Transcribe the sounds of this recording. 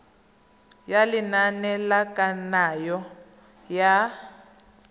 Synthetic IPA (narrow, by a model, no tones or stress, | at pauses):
jalinanɛlakʼanajɔ | ja